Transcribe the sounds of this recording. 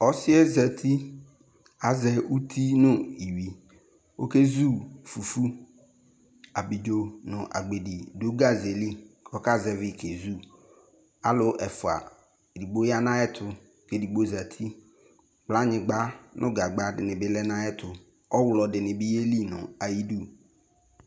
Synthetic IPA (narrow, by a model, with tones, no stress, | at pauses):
ɔ˦sɪ˦ɛ˦za˨t̪ʰi˦ | a˨zɛ˦u˦t̪ʰi˦nʊ̃˦i˨wi˨ | o˦ke˦zu˦fu˨fu˦ | a˨bɪ˨d͡ʒo˦nʊ̰̃˨ʔa̰˨ɡ͡be˨di˨dʊ˦ɡa˦ze˨li˦kʰɔ˦ka˦zɛ˨vɪ˦˨kʰe˨zu˦˨ | a˨lʊ˦ʔɛ˨fʊ˨a̰˨ | di˨ɡ͡bo˦ja˦nã˦ɛ˦t̪ʰʊ˦ | ke˨di˨ɡ͡bo˦za˨t̪ʰi˦ | k͡pla˦ɲɪ̃˨ɡ͡ba˦nʔʊ̃˦ɡa˨ɡ͡ba˦dɪ˨nɪ̃˨bɪ˦lɛ˦nã˦ɛ˦t̪ʰʊ˨ | ɔ˦wlɔ˨dɪ˨nɪ̃˨bɪ˦je˦li˦nʊ̰̃˨a˨ji˦du˦